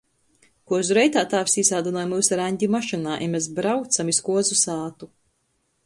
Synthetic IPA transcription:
kuɔzuɾɛjt̪aːt̪aːvsisaːd̪unɔːjmuːsaɾaɲʲd̪ʲimaʃinaːʔɛmʲesbɾawt̪samiskuɔzusaːt̪u

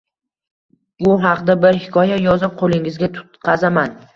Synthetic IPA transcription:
bʊɦɑqd̪abɪɾhɪkʰɒjajɒzɪp̚qʰolɪŋɪzɡʲat̪ʰʊ̥t̪qʰɑzaman

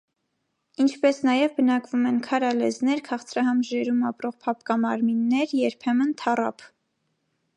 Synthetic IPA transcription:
int͡ʃʰpɛsnɑjɛvbənɑkvumɛnkʰɑɾɑlɛznɛɾkʰɑχt͡sʰɾɑɦɑmʒɛɾumɑpɾɔʁpʰɑpkɑmɑɾminːɛɾjɛɾpʰɛmənt̪ʰɑrɑ̰pʰ

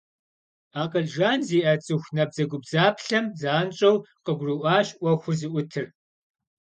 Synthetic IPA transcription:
aːqəɮʒaːnziːʔɐt͡sʼɨxʷnɐb̚zɐɡʷʊbzaːpʰɬɐmzaːnt͡ʃʼɐwqəɡʷrɨʔʷaːɕʔʷɐxʷʊrzɨʔʷʊtʰɨr

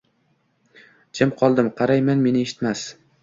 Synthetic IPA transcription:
d͡ʒʰɪmqʰɒlˠd̪ɪmqʰɑɾajmanme̞nɪeʃɪ̥t̪mas

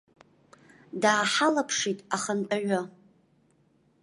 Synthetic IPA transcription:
daːħalapʰʂitʼaχəntʼaʕʷʊ

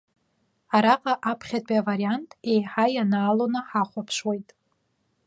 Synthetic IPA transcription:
aɾaqʼaʔapʰχʲatʼiavaɾiantʰʼe̞jħajanaːlonaħaχʷapʰʂwejtʼ

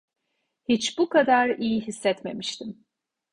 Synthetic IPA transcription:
hit͡ʃbukʰad̪aɾijiɦisːɛt̪me̞̰miʃt̪ʰim

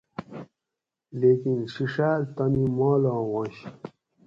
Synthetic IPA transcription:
lekinɕiʂaːlt̪amimɔːlõːwõɕ

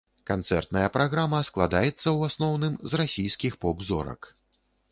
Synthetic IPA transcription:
kant̪sɛ̰rt̪nɐjɐpɾaɣɾamɐsklˠad̪ajɛt̪sːɐwasnɔwnɨmzrasʲijskʲixpɔbzɔ̰ɾɐ̰k

